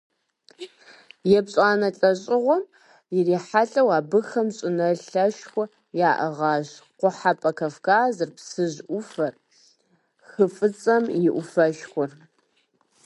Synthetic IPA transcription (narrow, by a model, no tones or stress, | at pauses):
jɛbɕʼaːnɐɬʼɐɕʼɪʁʷɔm | jɪriːħaɬʼɐwaːbɨxɐmɕʼɪnɐɬɐʃxʷʊ | jaːʔɐʁɑːʑqʷʊħapʼɐkʰɐfkʰaːzɨrpsɨʑʔʷʊfɐr | xɨfʼɨt͡sʼɐmjɪʔʷʊfɐʃxʷʊr